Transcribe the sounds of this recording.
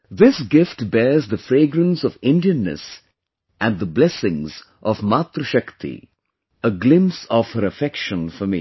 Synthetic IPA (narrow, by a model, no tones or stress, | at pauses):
d̪ɪsɡɪfʈbɛːzd̪əfɾeːɡɾə̃nsɔʋɪ̃nɖiə̃nːə̰s | ʔæ̃nɖd̪əblɛsɪ̃ŋz | ʔɔvmat̪ɾəʃʌkt̪ḭ | əɡlɪ̃msɔʋhəɾəfɛkʃə̃nfəmi